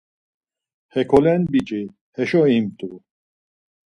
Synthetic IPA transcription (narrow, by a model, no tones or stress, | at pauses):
hɛkʰɔlɛnbit͡ʃʼi | hɛʃɔimt̪ʼu